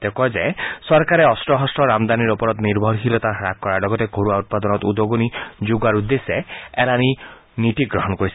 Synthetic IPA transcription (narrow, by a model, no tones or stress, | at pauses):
t̪ekɔd͡ʒajsɔɾkaɾeɔsʈɾɔɦɔsʈɔɾamd̪aniɾɔpɔɾɔt̪niɾbʱɔɾɦilɔt̪aɦɾakkːɔɾaɖɔɡɔt̪eɡʱoɾuaut̪̚pad̪ɔnɔt̪ud̪oɡonid͡ʒuɡaɾud̪ːeseelani | niʈiɡɾɔɦɔnɔkoɾis